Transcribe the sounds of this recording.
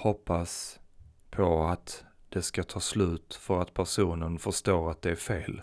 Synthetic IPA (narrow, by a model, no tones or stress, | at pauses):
hɔpːas | pʰɔat̪ | d̪̥ɛskat̪ʰɑːslʉ̟ːt̪fœɾat̪pʰæʂuːnənfœʂt̪oːɾat̪̚d̪ɛæɾfeːl